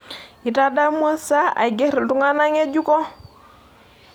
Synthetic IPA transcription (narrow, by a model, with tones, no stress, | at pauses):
i˨ta˦da˦mwa˦sa˦a̰˨ɡɛ˦ɾi˨ltu˦ŋa˦na˦ŋe˦d͡ʒu˦kɔ˦